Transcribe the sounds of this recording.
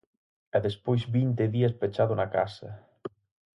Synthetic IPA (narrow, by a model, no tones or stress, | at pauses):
ɛðespojzβint̪eðiaspet͡ʃaðʊnakasɐ